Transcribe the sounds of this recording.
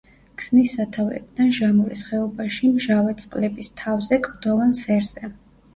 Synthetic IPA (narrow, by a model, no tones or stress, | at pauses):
ɡ̥z̥nisːat̪ʰavɛ̰b̚d̪anʒamuɾisχɛɔbaʃimʒavɛt̪sʼqʼlɛbist̪ʰavzɛkʼd̪̥ɔvansɛɾz̥ɛ